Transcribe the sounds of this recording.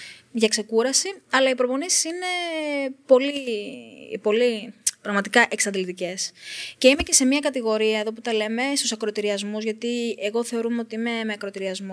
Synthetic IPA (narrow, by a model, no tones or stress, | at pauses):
ʝɐkse̞kuɾɐsiɐlɐipɾo̞po̞nisi̥sine̞po̞li | po̞lipɾɐɣmɐt̪ikɐʔe̞ksɐnd̪ilit̪ice̞sce̞ime̞ce̞se̞miɐkɐt̪iɣo̞ɾiɐeðo̞p̬ut̪ɐle̞me̞st̪usɐkɾo̞t̪iɾiɐzmuzʝɐt̪ieɣo̞θe̞o̞ɾumeo̞t̪iime̞meɐkɾot̪iɾiɐzmo